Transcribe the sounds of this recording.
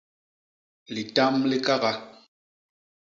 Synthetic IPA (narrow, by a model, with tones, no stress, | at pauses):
li˨ta˦mli˦ka˦ɣa˦